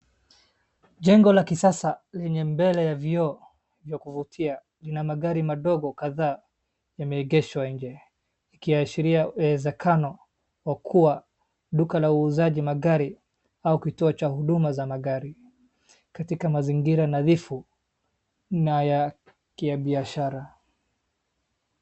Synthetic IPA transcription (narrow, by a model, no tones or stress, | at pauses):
ʄɛŋɡɔlakisasalɛɲɛmbɛlɛjaviɔ | vjɔkuvutʰia | linamaɠaɾimaɗɔɡɔkaðaː | jamɛːɡɛʃwaiɲd͡ʒɛ | ikijaʃiɾiaɛzɛkʰanɔ | wakʰuwa | ɗukalauːzaʄimaɠaɾi | aukituɔt͡ʃahuɗumazamaɠaɾi | katikamaziŋɡiɾanaðifu | naja | kiaɓiaʃaɾa